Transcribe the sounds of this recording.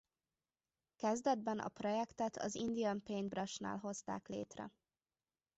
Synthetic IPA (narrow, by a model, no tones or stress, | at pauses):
kɛzd̪ɛd̪̚bɛnʔɒ̰pro̞jɛkt̪ɛt̪ʰɒ̰zind̪ijɒmpeːnbrɒʃna̰ːlɦo̞st̪aːklḛːt̪rɛ̰